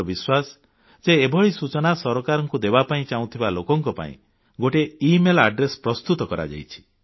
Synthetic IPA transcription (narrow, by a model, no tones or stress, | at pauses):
biswas | seːbʱɔɭisut͡ʃɔnasɔɾɔkaɾɔŋkud̪ebapaĩt͡ʃaw̃t̪ʰibalokɔŋkɔpa̰ḭ̃ | ɡoʈeimelaɖɾespɾɔst̪ut̪ɔkɔɾa̰d͡ʒa̰jt͡ʃʰi̥